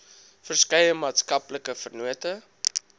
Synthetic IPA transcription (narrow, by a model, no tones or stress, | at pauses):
fərskɛjəmɑːtskɐpləkəfərnuətə